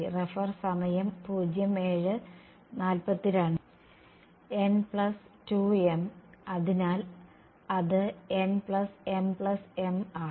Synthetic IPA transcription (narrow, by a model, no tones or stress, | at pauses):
refɐrsɐmɐjɐmpuːd͡ʑjɐme̞ːɻɨ | naːlpɐt̪ːiɾaːɳ | enpɭɐstuːemɐðinaːl | ɐðɨenpɭɐsempɭɐse̞ma